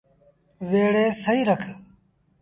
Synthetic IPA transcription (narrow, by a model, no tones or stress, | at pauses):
ʋeːɽeːsɐiːɾɐkʰə